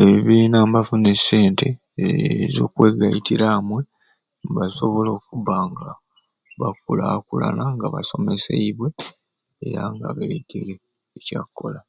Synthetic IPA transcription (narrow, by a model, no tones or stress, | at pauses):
eβiβiːnaːmbafune̞sːe̞ːntʰe | zo̞̰ːkweːɡajitiɾaːmwe̞ | βaso̞βo̞lo̞ːkuβaːŋɡa | βak̚ulakula̰naŋɡaβaso̞me̞sḛiβwe̞ | ḛɾaŋɡaβeɡele | ecakːo̞la